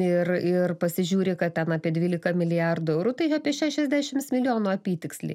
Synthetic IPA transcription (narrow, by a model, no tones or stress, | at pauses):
ɪrɪrpɐsʲɪʒʲuːɾʲɪkɐt̪̚t̪ʲɛnɑːpʲiɛd̪ʲʋʲiːlʲɪkɐmʲɪlʲɪjɑrd̪ʊɛʊɾut̪ɐɪɑːpʲiɛʃʲæːʃʲɛzʲd̪ʲæːʃʲɪmsmʲɪlʲɪjoːnuːɐpʲiːt̪ʲɪksʲlʲɪ̰ː